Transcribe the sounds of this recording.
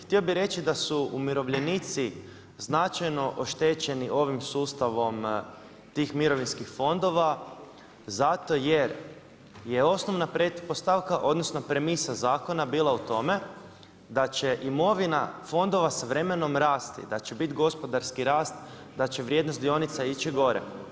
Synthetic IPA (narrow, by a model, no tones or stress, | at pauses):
xt̪io̞biɾe̞t͡ɕid̪asuumiɾo̞ʋʎenit̪si | znat͡ʃajno̞ʔoʃt̪eːt͡ɕe̞niʔo̞ʋimsuːst̪aʋo̞m | t̪iːxmiɾo̞ʋinskixfo̞nd̪o̞ʋa | zat̪o̞jeɾ | jeo̞snoʋnapɾet̪post̪aʋkaʔo̞d̪nosnopɾemisazaːko̞nabiːlˠaut̪o̞me̞ | d̪at͡ɕe̞ʔimo̞ʋinafo̞nd̪o̞ʋasaʋɾe̞meno̞mɾaːst̪ḭd̪at͡ɕebit̪ɡo̞spo̞d̪aɾskiɾaːst̪ | d̪at͡ɕeʋɾʲjed̪nost̪d̪io̞nit̪sait͡ɕiɡo̞ɾḛ